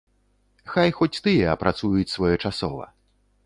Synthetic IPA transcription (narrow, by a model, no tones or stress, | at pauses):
xajxɔt͡sʲt̪ɨjɛɐpɾat̪sujut͡sʲsvɔjɔt͡ʂasɔ̰vɐ̰